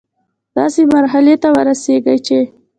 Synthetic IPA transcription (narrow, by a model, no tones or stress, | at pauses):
d̪̥ɑsemaɾɦalet̪awəɾaseɡəjt͡ʃe